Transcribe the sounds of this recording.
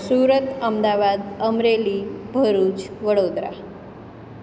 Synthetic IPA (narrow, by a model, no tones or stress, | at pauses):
suːɾət̪əmd̪aʋad̪əmɾeliːbʱəɾuːt͡sʋəɽod̪ɾa̰